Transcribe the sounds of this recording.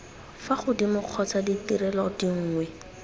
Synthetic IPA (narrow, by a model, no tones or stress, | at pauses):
faχʊdimʊq͡χʰɔt͡saditiɾɛlɔdiŋ̩ːŋwɛ